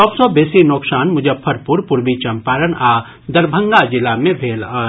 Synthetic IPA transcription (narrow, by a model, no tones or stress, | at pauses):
t͡ʃɔːbsɔbeːsinoːksaːnmʊd͡ʒəpʰːəɾpʊɾpʊɾbit͡ʃɐmpaːɾənaː | d̪ɐɾbʱə̃ŋɡad͡ʒɪlamẽbʱeːlaː